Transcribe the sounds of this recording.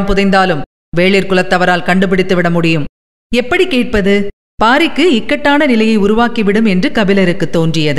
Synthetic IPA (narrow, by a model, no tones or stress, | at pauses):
mpʊðɐɪnd̪aːlɯm | ʋeːɭiɾkɯlɐt̪ːɐʋɐɾaːlkɐɳɖɯp̬ɪɽɪt̪ːɯʋɪɽɐmʊɽɪjɯm | ɛpːɐɽikeːʈ̚pɐðɯ | paːɾɪkːɯɪkːɐʈːaːnɐnɪlɐjɐɪʊɾʊʋaːkiʋɪɽɯmɛndrɯkɐʋɪlɐɾɯkːɯt̪ːoːndrɪjɐðɯ